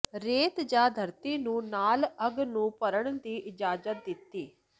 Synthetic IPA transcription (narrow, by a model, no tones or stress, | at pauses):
ɾeːt̪d͡ʒaːd̪ʱəɾt̪iːnũːnaːləɡnũːpəɾəɳd̪iːʔɪd͡ʒaːzət̪̚d̪ɪt̪ːiː